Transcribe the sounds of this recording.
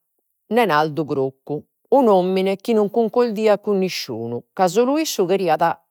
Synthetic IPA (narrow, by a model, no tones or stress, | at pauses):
nɛnald̪uɡɾokːuː | nomːinɛk̟inuŋkuŋkold̪iːakːunːiʃːṵːnukazuluisːuɣeɾiːaða